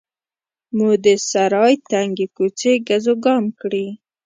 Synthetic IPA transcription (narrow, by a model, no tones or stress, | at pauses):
mud̪əsaɾɑjt̪aŋɡekut͡seɡazoɡɑmkɽi